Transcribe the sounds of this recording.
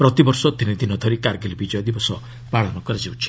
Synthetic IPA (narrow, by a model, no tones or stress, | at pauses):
pɾɔt̪ibɔɾsɔt̪inid̪inɔd̪ʱɔɾikaɾɡelibid͡ʒɔjɔd̪ibɔsɔ | paɭɔnɔkɔɾad͡ʒiwt͡ʃʰi̥